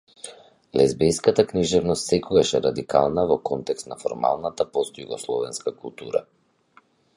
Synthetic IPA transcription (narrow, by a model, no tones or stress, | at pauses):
lɛzbɛjskat̪akniʒɛvnɔst̪sɛkɔɡaʃɛɾad̪ika̰lˠnavɔkɔnt̪ɛkst̪nafɔɾma̰lˠnat̪apɔst̪juɡɔslˠɔvɛnskakulˠt̪uɾa̰